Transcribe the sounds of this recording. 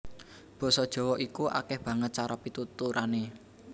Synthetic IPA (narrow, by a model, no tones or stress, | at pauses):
b̥ɔ̤sɔd̥ʒ̥ɔ̤wɔʔikuʔa̰kɛhb̥ä̤ŋət̪̚t͡ʃaɾɔpit̪ut̪uɾane